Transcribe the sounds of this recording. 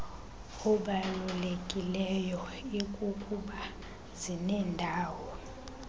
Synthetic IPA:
ɔɓalulekʼilɛjɔikʼukʼuɓa | zinɛːndʱaːwɔ

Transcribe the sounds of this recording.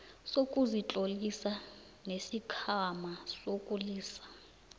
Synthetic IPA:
sokʼuzit͡ɬʼolisa | nesikʰamasokʼuliːsḁ

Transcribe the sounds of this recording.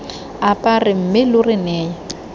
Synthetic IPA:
apʼarɪm̩mɪlʊrɪnɛːjɔ

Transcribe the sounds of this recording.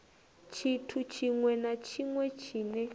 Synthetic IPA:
t͡ʃʰitʰut͡ʃʰiŋwɛnat͡ʃʰiŋwɛt͡ʃʰiːnɛ

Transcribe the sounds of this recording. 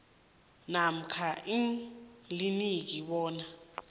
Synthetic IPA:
nam̩kʰaʔiŋlinik̬iɓɔːna

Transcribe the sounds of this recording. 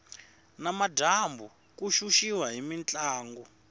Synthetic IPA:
namadʱambu | kuʃuʃiwaɦimint͡ɬʼaːŋɡɔ

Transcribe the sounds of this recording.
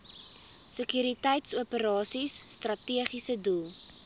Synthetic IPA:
səkyɾitɛjtsuəpəɾɑːsisːtrɐtiəχisədulˠ

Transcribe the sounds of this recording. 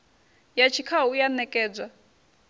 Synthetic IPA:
jat͡ʃʰikʰaujanɛkʼɛːd͡zʷa

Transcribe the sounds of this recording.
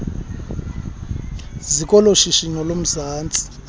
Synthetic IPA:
zikʼɔloʃiʃinɔlom̩zaːnt͡sʼi̥

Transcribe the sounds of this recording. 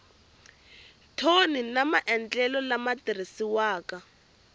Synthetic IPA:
tʰoninamaʔɛnt͡ɬɛlɔlamatiɾisiwaːka

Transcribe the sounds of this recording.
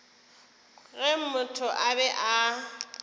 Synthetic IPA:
ɣɛm̩mʊtʰʊʔabɛʔa

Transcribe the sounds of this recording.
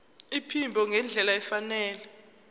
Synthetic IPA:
ipʰimbʱɔŋɛnd͡ɮʱɛlaɛfanɛːlɛ

